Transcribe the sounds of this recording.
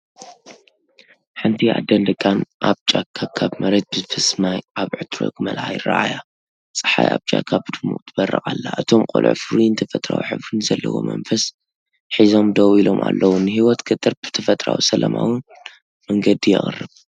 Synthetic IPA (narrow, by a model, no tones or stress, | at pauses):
ħɨnt̪ʰiad̪ɐnd̪ɨkʼːanʔaβt͡ʃʼakʰakʰaβmɐɾet̪̚bɨzfɨsmajʔaβʕɨt̪ɾo̰kɨmɐlħajra̰ʔaja | t͡sʼɨ̥ħajaβt͡ʃʼakʰaβd̪ɨmṵʔt̪ʰɨbɐrːɨχʼalːaʔɨt̪ʰo̞mqʼo̰lʔʕfɨɾujnɨt̪ʰɐfɐt̪ʼɾa̰wiħɨβɾunɨzɐlːɐwo̞̰mɐnfɐs | ħizo̞md̪owilo̞mʔalːʔɐwunɨɦiwɔt̪kʰɨt̪ʼɨɾb̥ɨ̥t̪ʰɐfɐt̪ʼɾawisɐlɐmawɨn | mɐŋɡɐd̪ijɛ̰χʼɨrːɨβ